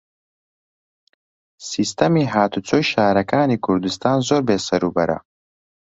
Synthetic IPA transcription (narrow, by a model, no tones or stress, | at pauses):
sist̪ɐmiɦaːt̪ʰut͡sʰojʃaːɾɐkʰaːnikʰuɾd̪ɨst̪ʰaːnzoːɾbeːsɐɾuːbɐɾɐ̰